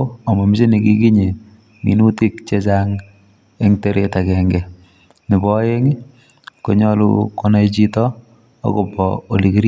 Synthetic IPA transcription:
a˨ma˨mi˦t͡ʃe˦niki˦ki˦ɲe˨ | ŋḭ˨nu˦ti˦kt͡ʃe˦t͡ʃaŋ | eŋteɾe˦ta˨kɛŋɡɛ˨ | nɪ˨bɔ˦je˦ŋi | ko˨ɲɔlṵkɔna˦it͡ʃi˦tɔ̰ː˦ | kopɔo˨likiɾ

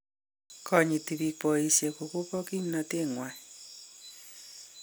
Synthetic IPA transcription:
kʰɔ˨ɲi˨ti˨βi˨pɔ˨i˨se˨ku˨ko˦kɔ˦ki˦ɲ˦nɔ˨te˦ŋwa˨

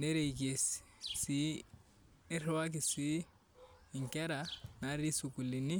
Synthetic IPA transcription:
ne˦ɾe˨ik̬e˨s | si˦ | ɾɛ˦wa˦k̬i˨si˦˨ | ŋ̩kɛ˦ɾa˨na˨ɾi˦su˨ku˨li˨ni˦

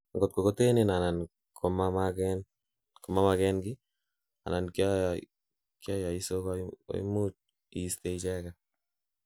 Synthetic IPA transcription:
ŋɡo˨t̪̚ko˨ko˦te˦nena˨na˨n | kʰomamakɛn | ko˨ma˦makɛnɡɪ | a̰˨na˨nkja | kja˦ja˨i˦so˦kao̰j̰mu˦t͡ʃ̚ | i˦st̪eit͡ʃɛ˦ka

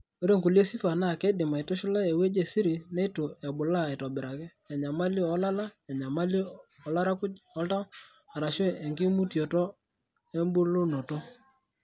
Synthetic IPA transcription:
o˦ɾe˦ŋku˨le˦si˦fa˨na˦˨ke˦dɪ˨ma˨i˨to˦ʃu˦la˦e˨we˦d͡ʒe˨si˦ɾi˨nɛ˦i˦to˨a˨bʊ˨la˦˨ɛ˨tɔ˨bɪ˨ɾa˨kɛ˦ | ɛ˨ɲa˨ma˦li˦ɔ˦la˦la˦˨ɲa˨ma˦li˦ | ɔ˨la˦ɾa˦ku˦ɔ˦lta˦ | a˨ɾa˨ʃe˦˨ɛ˨ŋɡɪ˦mu˦tjɔ˨tɔ˦ | e˦mbu˦lo˦no˨tɔ˦

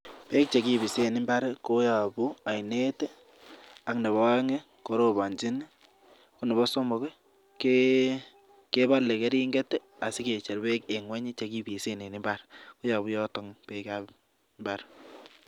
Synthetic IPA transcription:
pe˦k̚t͡ʃe˨ki˦bi˨se˦˨nɪ˦mba˦ɾko˦ja˨bu˦a˨jne˦te˦ | a˨kne˨βɔ˦a˦ŋe˦ | ko˨ɾo˦ba˨ɲd͡ʒi˦n˦ | ko˦ne˨bɔ˦so˦mɔ˨ke˦ | ke | ke˦ba˦ɾle˨ke˦ɾi˦ŋɡe˦te˦ | a˨sɪ˦ke˨t͡ʃe˨ɾbe˦ke˨ŋwa˦ɲi˦t͡ʃe˨ki˦bi˨se˦ne˨ni˦mba˦ɾko˦ja˨bu˦jɔ˦tɔ˨ŋpe˦ka | mba˦ɾ

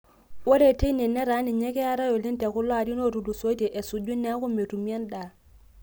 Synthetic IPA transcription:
wɔ˦ɾɛte˦nɛ˨nːɛ˦ɾa˦ni˨ɲɛ˦kɛ˦a˦ɾa˦jɔ˨li˦ntɛ˨ku˦la˨di˦no˦ɾu˨du˨so˦jtɛ˨ʔɛ˨su˨d͡ʒu˦nːɛ˦ku˦me˨tu˨mi˦a˦nda˨

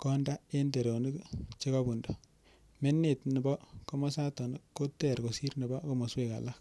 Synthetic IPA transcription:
kɔ˦nda˦e˦nde˨ɾo˨ni˦kt͡ʃe˦ka˦bu˨ndo˨ | me˦nːe˨tnɪ˨bɔ˦ko˦ma˦sa˦to˨n˦ko˦tɛ˨ɾko˨si˦ɾni˨bɔ˦ko˦mo˨swe˨ka̰˨la˦k̚

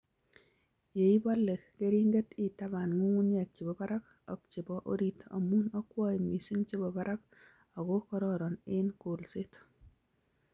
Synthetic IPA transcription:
je˨i˦bɔ˦lːe˨ke˦ɾi˦ŋɡe˦tɪ˦ta˦ba˨nŋu˦na˨k̚t͡ʃɪ˨bɔ˨ba˦ɾa˦k | ɔ˨kt͡ʃɪ˨bɔ˨ʔo˦ɾi˦tʰo̰˨mu˦nɔ˦kwɔ˦i˨ŋwi˨si˦ŋt͡ʃɪ˦bɔ˨ba˦ɾʔa˦k | ɔ˨ko˦kɔ˦ɾɔ˦ɾɔ˨nɪ˦nko˨lsɪ˦t

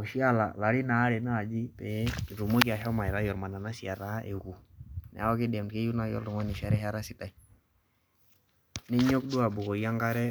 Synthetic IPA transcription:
ʃi˦a˦la̰˨la˨ɾi˦naː˨˦ɾɛ˨na˦a˨d͡ʒi˦tɛ˨˦˨ɾu˨mo˦kɪ˨a˨ʃa˦ma˨i˨ɾa˦jɔ˨ɾma˨na˨na˦si˨a˨ɾa˨˦ʔe˨ku˨nɛ̰˨a˦ɔ˦kɪ˦dɛ˨mtke˦ju˦na˦jɔ̰˦ldɔ˨ŋwa˦ni˨ʃa˦ɾɛ˦ɦa˦ɾa˦si˨ta˨i | nɛ˦ɲo˦k̚du˦a˨bu˨kɔ˨ja˦ŋɡa˦ɾɛ˦

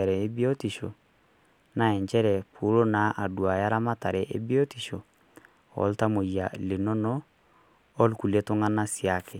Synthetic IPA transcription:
ɛ˨ɾɛ˨e˦bi˦o˦ti˨ʃo˨ | na˨ɛ˨ɲt͡ʃɛ˦ɾɛ˨pʰu˨˦ɾo˦na˨ʔa˨dwa˨ja˦ɾa˦ma˦ta˨ɾɛ˨ʔḛ˦bi˦o˦ti˨ʃo˨ | ɔ̰˨lta˦mo˨ja˨le˨no˦nɔː˦ | lku˨le˦to˦ŋa˦na˦sja˨kɛ˨

